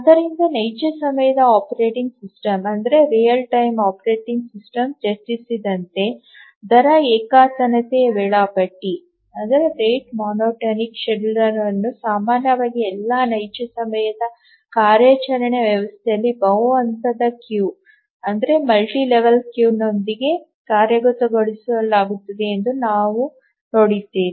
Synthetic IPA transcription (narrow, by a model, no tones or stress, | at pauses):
ɐd̪ɐɾind̪ɐnɐjt͡ʃɐsɐmɐjɐd̪ɐaːpɐɾeːʈiŋɡsisʈɐmɐnd̪ɐɾe̞ɾijɐlʈɐjmaːpɐɾe̞ːʈiŋɡsisʈɐmd͡ʒɐst͡ʃ̪isid̪ɐnt̪e̞ː | d̪ɐɾɐeːkaːt̪ɐnɐt̪eːʋɛɭaːpɐʈːi | ɐnd̪ɐɾeɾeːʈmaːnoːʈɐnikʃeɽlɾɐɾɐnːusaːmaːnjɐʋaːɡiɛlːaːnɐjt͡ʃɐsɐmɐjɐd̪ɐ | kaːɾjɐt͡ʃɐɾɐɳeʋjɐʋɐst̪ʰɛjɐlːibɐwɐnt̪ɐd̪ɐkjuː | ɐnd̪ɐɾe̞mɐlʈiːleʋɐlkjuːno̞nd̪iɡe̞ | kaːɾjɐɡot̪ɐɡoɭisuɐlːaːɡut̪ːɐd̪e̞ːnd̪unaːʋu | no̞ːɽid̪ːeːni